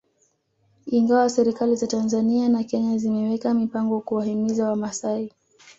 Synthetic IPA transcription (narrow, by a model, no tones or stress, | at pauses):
iŋɡawasɛɾikalizatanzanianakɛɲazimɛwɛkamipaŋɡɔkuwahimizawamasai